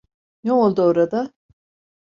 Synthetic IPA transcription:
nɛolˠd̪uoɾad̪a

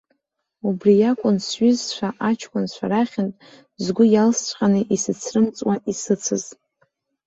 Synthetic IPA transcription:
ubrijakʷʼʊnsɥʏzʃʷʰᶣaʔat͡ʃʰkʷʼʊnʃʷaɾaχʲɪntʼ | zɡʷʊjalst͡sʷʰʼqʲʼanɨʔisɨt͡sʰrɨmt͡sʼwaʔisɨt͡sʰɨz

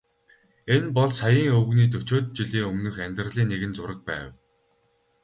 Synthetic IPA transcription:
enpɔɮsajiːŋɵwɣniːt̪̬ɵt͡ɕoːt̪̚t͡ɕiɮiːŋɵmnɵ̆xæmʲt̪rə̆ɮiːŋneɣɘ̆nt͡sʊɾə̆k̚pæ̰ːw

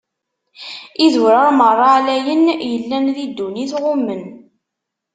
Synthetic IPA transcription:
iðuɾɑɾˤmərˤːɑʕlæjənjəlːænðid̪ːuniθʁʊmːən

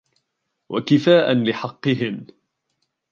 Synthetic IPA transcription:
wʔa̰kɪfaːʔanlɪħɑqːɨɦɪm

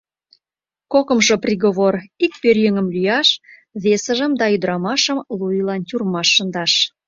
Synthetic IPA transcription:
kokə̆mʒoprʲiɣoβorik̚pørjøŋə̆mlyjɑʃ | βesə̆ʒə̆md̪ɑyd̪əɾɑmɑʃə̆mlujlɑnt̪ʲurmɑʃːə̆nd̪ɑʃ

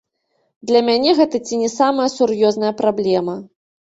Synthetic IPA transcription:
d̪lʲɐmʲanʲɛɣɛt̪ɐt͡sʲinʲɛsamɐjɐsurjɔznɐjɐpɾablʲɛmɐ

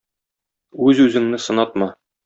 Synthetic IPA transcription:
ʉzʉzɘ̆ŋnɘsɤ̆nɑt̪̚mɑ

